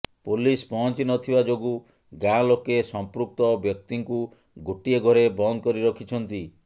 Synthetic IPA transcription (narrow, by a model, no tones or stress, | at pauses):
pulispɔɦɔnt͡ʃinɔt̪ʰibad͡ʒoɡu | ɡãlokesɔmpɾuk̚t̪ɔbjɔk̚t̪iŋku | ɡʱoʈieɡʱɔɾebɔnd̪ɔkɔɾiɾɔkʰit͡ʃʰɔnt̪i